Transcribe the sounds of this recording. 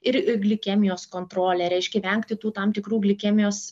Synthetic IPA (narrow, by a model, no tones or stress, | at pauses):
ɪɾɪɡlʲɪkʲɛmʲɪjoːskoːnt̪ɾoːlʲɛːɾʲɛɪʃʲkʲɛʋʲɛŋkt̪ʲɪt̪uːt̪ɐmt̪ʲɪkɾuːɡlʲɪkʲɛːmʲɪjoːs